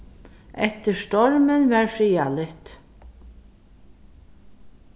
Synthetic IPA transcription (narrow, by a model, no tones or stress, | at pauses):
ʔɛht̪ɪɾst̪ɔɹmənvɛɹfɾiːalɪht̪